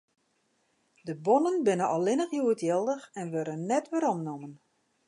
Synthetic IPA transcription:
dəbonənbɪnəʔɔlɪnəxjuətjɪlˠdəxɛnʋøɾənːɛtʋəɾɔmnomən

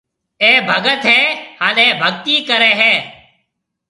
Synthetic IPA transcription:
eːbʱəɡət̪ɦeːhaːnẽːbʱəɡt̪iːkəɾeːɦeː

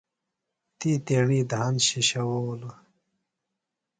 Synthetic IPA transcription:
t̪iːt̪eːɳiːd̪ɦɐnɕiɕɐwowlu

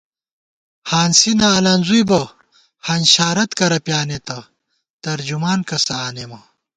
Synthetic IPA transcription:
haːnsinaːlɐnzujbɐ | hɐnɕaːɾɐt̪kɐɾɐpjaːnet̪ɐ | t̪ɐɾd͡ʑumaːnkɐsɐaːnemɐ

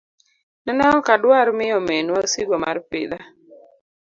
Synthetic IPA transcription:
nanaɔkadwaɾmɪjɔmenwasiɡwɔma̰rpɪ̰d̪a

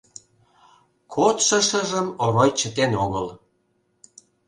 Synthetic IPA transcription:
kʰot̪ʃə̆ʃə̆ʒəmoɾojt͡ɕət̪enoɣəl

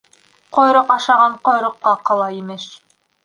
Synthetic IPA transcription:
qojɾoqɑʃɑʁɑɴqŏjɾŏqːɑqɑlˠɑimɘʃ

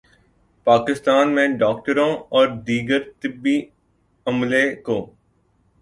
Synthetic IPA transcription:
paːkɪst̪aːnmẽɖɔːk̚ʈəɾõɔːɾd̪iːɡəɾt̪ɪbːi | ɐmlekoː

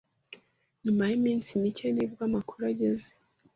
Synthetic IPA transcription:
ɲumajimiːnsimicenibɡamakʰuɾaɟeze̥

